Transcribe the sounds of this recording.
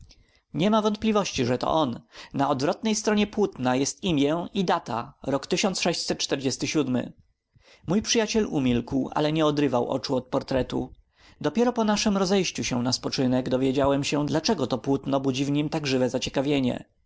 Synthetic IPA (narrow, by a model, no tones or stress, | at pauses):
ɲɛmavɔnt̪̚plʲivɔɕt͡ɕiʐɛt̪ɔ̰ʔɔnːaɔd̪vɾɔt̪nɛjst̪ɾɔɲɛpwut̪najɛst̪imʲjɛid̪at̪aɾɔkt̪ɘɕɔnt̪sʂɛɕt͡ɕsɛt̪̚t͡ʂt̪ɛɾd͡ʑɛst̪ɘɕud̪mɘ̰ | mujpʂɘjat͡ɕɛlumʲilkwa̰lɛɲɛɔd̪ɾɘvawʔɔ̰t͡ʂuɔt̪̚pɔɾt̪ɾɛt̪ṵ | d̪ɔpʲjɛɾɔpɔnaʂɘmɾɔzɛjɕt͡ɕuɕɛ̃naspɔt͡ʂɘnɛɡd̪ɔvʲjed͡ʑawɛmɕɛd̪lat͡ʂɛɡɔt̪ɔpwut̪nɔbud͡ʑivɲimt̪aɡʐɘvɛzat͡ɕɛkavʲjeɲɛ̰